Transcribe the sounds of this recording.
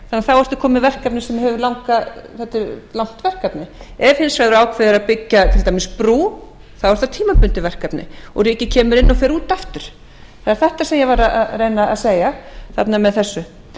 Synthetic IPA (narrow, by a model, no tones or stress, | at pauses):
θanːaθawɛɾ̥t̪ɪ̥kʰɔːmɪvɛr̥kapnɪsɛmhɛvʏlawŋkaθɛht̪ːɪlawŋ̥t̪vɛr̥kapnɪɛv̥hɪnsvajðʏɾaːwkʰvɛðɪɾaðpɪcːat̪ʰɪlt̪aːjmɪspɾuː | θawɛɾ̥t̪at̪ʰiːmapʏnt̪ɪvɛr̥kapnɪ̰ɔ̰ɣriːhcːɪcʰɛːmʏɾɪnːɔfɛːɾuːt̪aft̪ʏɾ̥ | θaðɛɾ̥θɛht̪asɛmjɛvaɾaaðrejnaa̰ðseːjɣaθa̰pnamɛðθɛsːʏ